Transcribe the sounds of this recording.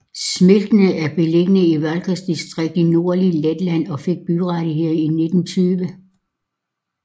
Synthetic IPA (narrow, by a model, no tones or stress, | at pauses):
sme̝ld̥ənəæɐb̥e̝le̝ɡ̥ənəiʋælɡ̥ʰɐsd̥isd̥ʁeɡ̥̚d̥ino̝ɐliled̥læn̰ɒ̽fe̝ɡ̥̚b̥yʁɑɾiɦe̝ð̰ˠɐine̝d̥n̩t͡sʰyːʋə